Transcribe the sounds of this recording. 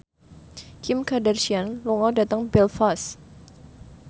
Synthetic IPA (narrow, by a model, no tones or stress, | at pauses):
kʰɪmkadarsianlɔŋɔdat̪aŋbɛlfas